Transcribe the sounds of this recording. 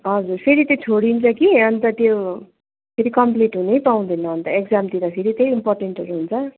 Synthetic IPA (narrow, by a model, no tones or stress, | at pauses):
ɦʌd͡zurpʰeɾit̪ʌt͡sʰoɽint͡sʰʌkiʌnt̪ʌt̪jo | pʰeɾikʌmpliʈɦunejpaw̃d̪ʌjnʌːnt̪ʌekd͡zamt̪iɾʌpʰeɾit̪ʌimporʈeɳʈɦʌɾuɦunt͡sʰʌ